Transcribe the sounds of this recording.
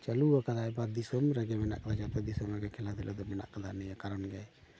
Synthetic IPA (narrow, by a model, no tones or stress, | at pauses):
t͡ʃəluakad̪aɛbad̪isɔmɾɛɡɛmɛna̰ʔkad̪ad͡ʒat̪ɔd̪isɔmɾɛɡɛkʰɛlad̪ɛlʔɔd̪ɔmɛna̰ʔkad̪anɛjakaɾɔnɡɛ